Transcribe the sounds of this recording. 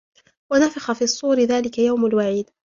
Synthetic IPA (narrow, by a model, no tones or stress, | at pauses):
wanafɑxafiːɑsˤːuːɾɪðaːlɪkajawmalwaʕiːd̪